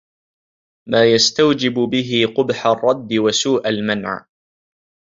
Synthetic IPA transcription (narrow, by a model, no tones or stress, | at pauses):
maːjast̪awd͡ʒɪbʊbɪɦɪqʊbħarˤːɑd̪ːɪwasuːʔalmanʕ